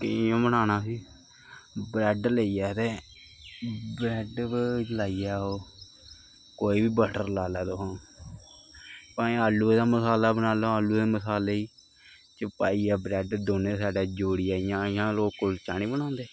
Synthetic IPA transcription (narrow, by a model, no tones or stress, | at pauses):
kɪjõːbənaːnaːsiː | bɾɛːɖləiːɛːt̪eː | bɾɛːɖlaːiːɛːoː | koːiːbiːbəʈəɾlaːlaːd̪oːɦãː | pãːẽalːuːeːd̪aːməsaːlaːbənaːloaːlːuːeːməsaːleːiː | t͡ʃəpaːiːaːbɾɛːɖd̪oːneːsaːɖaːd͡ʒoːɽijaːɪjãːɪjãːloːkʊlt͡ʃaːñĩːbəñãːnd̪eː